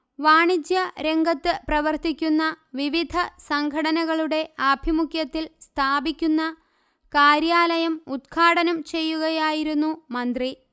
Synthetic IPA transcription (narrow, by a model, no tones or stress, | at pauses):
ʋaːɳid͡ʑjɐɾe̞ŋɡɐt̪ːɨprɐʋɐrt̪ikʲːunːɐʋiʋid̪ʱɐsɐŋɡʱɐɽɐnɐɣɐɭuɽe̞ɐbʱimukjɐt̪ːilst̪ʰaːbikʲːunːɐ | kaːɾjaːlɐjɐmud̪̚ɡʰʱaːɽɐnɐmt͡ɕe̞jːuɣɐjaːjiɾunːumɐnd̪ri